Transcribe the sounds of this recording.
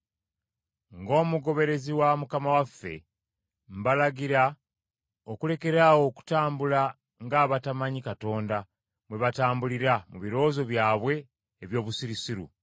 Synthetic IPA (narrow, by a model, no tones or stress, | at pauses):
ŋɡo̞ːmuɡo̞βe̞ɾe̞ziwamukamawafːe̞̰ | mbalaɡiɾa | okule̞ke̞ɾawo̞ku̥taːmbula | ŋɡaːβatamaɲikato̞ːnda | mwe̞βataːmbuliɾamuβiɾo̞ːzo̞βjaːβwe̞ː | βjo̞ːβusiɾisiɾṵ